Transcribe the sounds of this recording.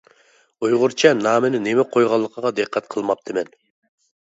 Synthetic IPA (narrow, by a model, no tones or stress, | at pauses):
ujʁʊɾt͡ʃʰɛnɑːmɪnɪnemɛqʰojʁɑlˠːəqʰəʁɑd̪ɨqʰːɛt̪̚qʰəlˠmɑp̚t̪ʰɨmɛn